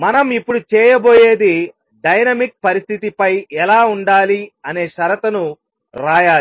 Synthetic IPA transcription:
mɐnɐmipːuɽut͡ʃɛːjɐbo̞ːjeːd̪i | ɖɐjnɐmik̚pɐɾist̪ʰit̪ipɐjɛlaːuɳɖaːliɐne̞ːʃɐɾɐt̪ɐnu | ɾaːjaː

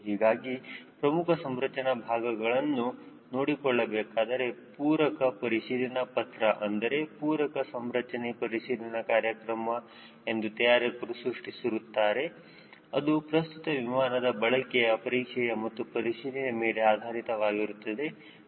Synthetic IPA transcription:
ɦiːɡaːɡipɾɐmukʰɐsɐmɾɐt͡ʃɐnɐbʱaːɡɐɡɐɭɐnːu | noːɽikɔɭːɐbɛːkaːd̪ɐɾe̞puːɾɐkɐpɐɾiʃiːlɐnɐpɐt̪ɾɐʔɐnd̪ɐɾe̞puːɾɐkɐsɐmɾɐt͡ʃɐnepɐɾiʃiːlɐnɐkaːɾjɐkɾɐmɐ | e̞nd̪ut̪ɐjaːɾekuɾusɾuʂʈisiɾut̪ːaːɾe̞ | ɐ̰d̪upɾɐst̪ut̪ɐʋimaːnɐd̪ɐbɐɭɐkɛjɐpɐɾiːkʂɛjɐmɐt̪ːupɐɾiʃiːlɐnemeːleaːd̪ʱaːɾit̪ɐʋaːɡiɾut̪ːɐd̪e̞

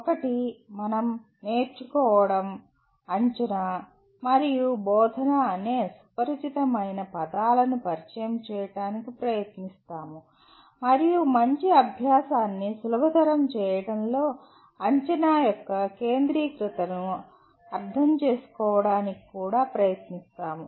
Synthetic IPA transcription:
ɔkɐʈimɐnɐm | ne̞ːɾt͡ʃukɔːʋɐɽɐm | ɐɲt͡ʃɐna | mɐɾijubɔːd̪ʱɐnɐːne̞ːsu̥pɐɾit͡ʃit̪ɐmɐjnɐpɐd̪aːlɐnupɐɾit͡ʃɐjɐmt͡ʃɛːjɐɽaːnikipɾɐjɐt̪nist̪aːmu | mɐɾijumɐɲt͡ʃiɐbʱjaːsaːnːisulubʱɐd̪ɐɾɐmt͡ʃɛːjɐɽɐnlo̞ː | ɐɲt͡ʃɐnaːjɔkːɐke̞ːnd̪ɾiːkɾit̪ɐnu | ɐɾd̪ʱɐmt͡ʃe̞ːsu̥kɔːʋɐɽaːniki̥kuːɽaːpɾɐjɐt̪nist̪aːmu

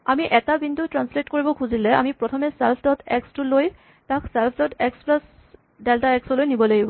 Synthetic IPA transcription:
amiʔɛtabintutɹansletkoɹibɔkʰuzilɛa̰mipɹɔtʰɔmɛsɛlpʰdɔtʰɛkstʊloj | taksɛlpʰdɔtɛksplas | deltaɛksɔlojnibɔlaɡibɔ

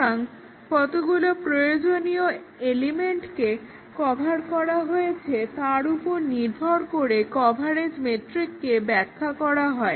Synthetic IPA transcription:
aŋ | fɔt̪oɡulopɾojod͡ʑonio | elimeɳʈke | kɔbʱaɾkɔɾaɦojet͡ɕʰet̪aɾupoɾniɾb̪ʱɔɾkoɾekɔbʱaɾed͡ʑmeʈɾikːebɛkʰːakɔɾaɦɔe

